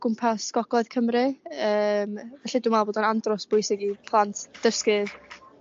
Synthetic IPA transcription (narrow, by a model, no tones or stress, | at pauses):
ɡ̥ʊmpʰasɡ̥ɔɡ̥lˠɔɨð̥kʰəmrɨəːmvɛɬidʊːmaboːdɔnandrɔsb̥ʊjsɪɡipʰlˠantʰd̥əskɨð